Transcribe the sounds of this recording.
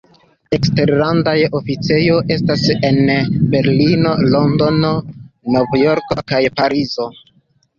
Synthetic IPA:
e̞kste̞ɾlandajofit͡se̞jo̞ʔe̞stase̞nbe̞ɾlino̞lo̞ndononovjo̞ɾko̞̰kajpaɾizo̞

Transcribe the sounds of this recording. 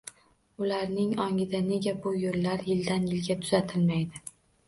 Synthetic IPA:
ʊlaɾnɪŋɒŋʲɪd̪ane̞ɡʲabʊjolːaɾjɪld̪anjɪlɡʲat̪ʰʊ̥z̥at̪ʰɪlmajd̪ɪ

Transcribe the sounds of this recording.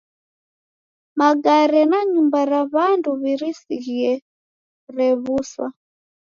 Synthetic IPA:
maɡaɾɛnaɲumbaɾaβanduβiɾisiɣiɛ | ɾɛβuswa

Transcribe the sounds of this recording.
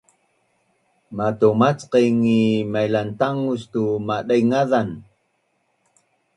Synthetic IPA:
matomat͡sqejŋimajlantaŋustumaɗajŋaðan

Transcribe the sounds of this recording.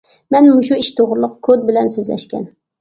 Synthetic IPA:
mɛnmʊʃuiʃt̪ʰoʁɾɨlˠʊqkʰod̪̚bɪlɛnsøzlɛ̰ʃkʲɛ̰n

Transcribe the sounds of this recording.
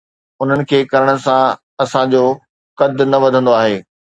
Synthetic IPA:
ʊn̤ənɪ̆kʰeːkɐɾəɽ̃ə̆sã | ɐsãd͡ʑo | kɐd̪ʱnɐʋɐd̪ʱə̃nd̪oaːɦeː

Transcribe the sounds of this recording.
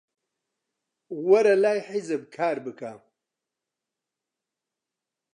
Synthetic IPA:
wɐɾɐlaːjħizɨbkʰaːɾbɨkʰa

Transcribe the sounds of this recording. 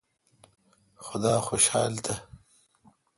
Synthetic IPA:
xʊd̪aːxoʃha̰ːlt̪ʰa

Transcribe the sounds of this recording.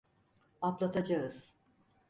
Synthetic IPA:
at̪lˠat̪ʰad͡ʒaɦɯz̥

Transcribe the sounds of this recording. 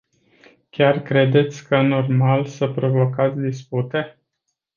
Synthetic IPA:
kʲarkɾe̞d̪e̞t̪sʲkəno̞rmalsəpɾo̞vo̞kat̪sʲd̪isput̪e̞

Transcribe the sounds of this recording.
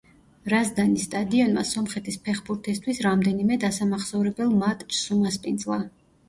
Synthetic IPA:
ɾazd̪anist̪ʼad̪iɔnma̰sɔmχɛt̪ʰispʰɛχbuɾt̪ʰist̪ʰwisɾamd̪ɛnimɛd̪asamaχsɔvɾɛbɛlˠmat̪ʼt͡ʃʰsumaspʼind̪zlˠa

